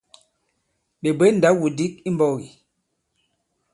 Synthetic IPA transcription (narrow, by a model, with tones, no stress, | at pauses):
ɓe˨be˦n̩˨da˨˦wu˨di˦k̚i˦m˦bɔ˦˨ɣi˨